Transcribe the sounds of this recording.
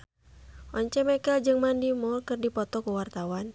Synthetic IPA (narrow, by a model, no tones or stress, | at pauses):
ʔɔɲt͡ʃɛmɛkɛld͡ʒɨŋmandimɔrkɨrdipɔt̪ɔkuwart̪awan